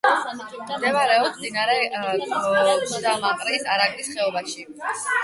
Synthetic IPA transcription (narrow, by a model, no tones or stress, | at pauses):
md̪ɛvaɾɛɔssmd̪inaɾɛ | d̪amaqʼɾisaɾaɡlisχɛɔbaʃi